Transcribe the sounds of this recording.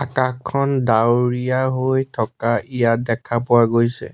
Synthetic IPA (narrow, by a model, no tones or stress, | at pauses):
akakʰːɔndawɹijaɦojtʰɔkaʔijat̚dɛkʰapʊwaɡojsɛ̰